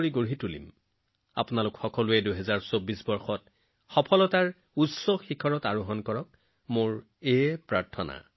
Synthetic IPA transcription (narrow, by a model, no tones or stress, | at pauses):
ɹiɡoɹitulḭm | a̰pʊnalʊkxɔkɔlʊɛduɦɛzaɹsobisbɔɹxɔt̚ | xɔpʰɔlɔtaɹ | utsɔxikʰɔɹɔtaɹʊɦɔnkɔɹɔk̚ | moɹ | epɹaɹtʰɔna̰